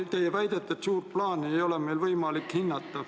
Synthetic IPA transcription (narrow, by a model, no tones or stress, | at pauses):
t̪eijʋæjt̪et̪ːˑet̪suːrplɑːniejolemeilvɤjmɑlikhinːɑt̪ːɑ